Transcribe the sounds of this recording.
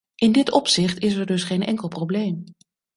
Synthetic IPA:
ʔɪndɪtɔpsɪχtɪs̬ɛɹdɵsχejnʔɛ̰ŋkəlˠprowblejm

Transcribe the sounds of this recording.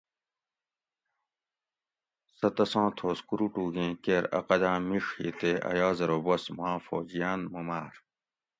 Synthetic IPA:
sɐt̪ɐsãːt̪ʰoːskuɾuʈuːɡẽːkeɾɐ̰qɐd̪ãːmiʂhḭt̪eːɐ̰jaːzɐɾobɐsmãːfo̰ːd͡ʑijaːnmumaːɾ

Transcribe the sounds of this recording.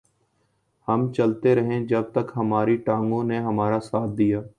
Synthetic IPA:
hɐmt͡ʃɐlt̪eɾɐɦẽd͡ʒɐb̚t̪əkɦɐmaːɾiʈãːŋɡõneɦɐmaːɾasaːt̪̚ʰd̪ijaː

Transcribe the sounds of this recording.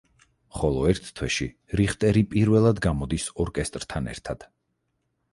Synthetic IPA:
χɔlˠɔɛɾt̪ʰt̪ʰːwɛʃi | ɾiχt̪ʼɛɾipʼiɾvɛlˠad̪ɡamɔd̪isɔɾkʼɛst̪ʼɾt̪ʰanɛ̰ɾt̪ʰad̪̥

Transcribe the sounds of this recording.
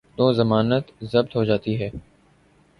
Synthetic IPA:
t̪oːzɐmaːnət̪zɐb̚t̪ɦoːd͡ʒaːt̪iɦɛː

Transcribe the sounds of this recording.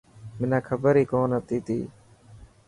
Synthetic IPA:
mɪnãːkʰəbəɾiːkoːnət̪iːt̪ḭː

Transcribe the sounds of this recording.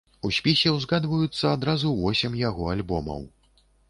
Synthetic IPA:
usʲpʲisʲɛwzɣad̪vɐjut̪sːɐad̪ɾazuvɔsʲɛmjaɣɔalʲbɔmɐ̰w

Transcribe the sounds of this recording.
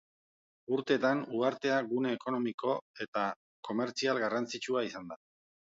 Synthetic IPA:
uɾt̪e̞ːt̪anuaɾt̪e̞aɣune̞ːko̞no̞miko̞e̞t̪a | ko̞me̞ɾt͡sialɣarant͡sit͡ʃuaisand̪a

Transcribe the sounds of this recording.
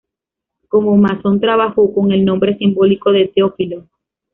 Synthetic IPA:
ko̞momasont̪ɾaβaxoko̞ŋe̞lnõ̞mbɾe̞simbo̞liko̞ðet̪eofilo

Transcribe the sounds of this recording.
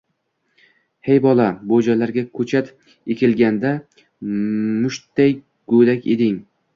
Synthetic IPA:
hejbɒlˠabod͡ʒalaɾɡʲakʰɵt͡ʃʰat̪ | ekʲʰɪlɡʲand̪a | mʊʃt̪ːaj | ɡ̥od̪akʲḛd̪ɪŋ

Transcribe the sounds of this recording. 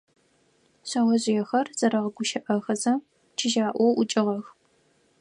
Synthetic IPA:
ɕawɐʑɪjɛxɐrz̥ɐɾɐʁɐɡʷʊʃɐʔɐxɐzɐ | t͡ʃʰɪʒaːʔʷɔwʔʊt͡ʃʼɪʁɐx

